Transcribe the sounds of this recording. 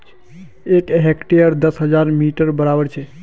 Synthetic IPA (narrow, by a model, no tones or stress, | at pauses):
ekɦekʈeəɾd̪əsɦəd͡ʒaɾmiʈəɾbəɾabəɾt͡ʃʰɛ